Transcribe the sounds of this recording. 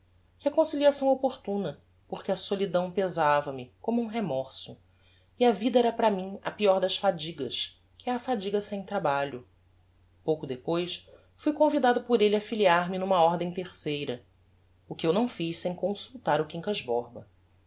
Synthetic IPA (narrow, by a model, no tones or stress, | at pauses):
hekõsiliasɐ̃w̃opoɾt̪ũnɐ | poχkɪɐsolid̪ɐ̃w̃pezavɐmɪkõmʊũɦemɔɾsʊ | iɐvid̪ɐɛɾɐpɾɐmĩŋɐ̰piɔɾd̪ɐʃfad͡ʒiɡɐʃ | kɪɛɾɐfad͡ʒiɡɐsẽj̃t̪ɾabaʎʊ | powkʊd̪epojs | fujkõvid̪ad̪ʊpʊɾelɪafiliaɾmɪnũmɐɔɾd̪ẽj̃t̪eχsejɾɐ | ʊkɪewnɐ̃w̃fiʃsẽj̃kõsuwt̪aɾʊkĩŋkɐʒbɔɾbɐ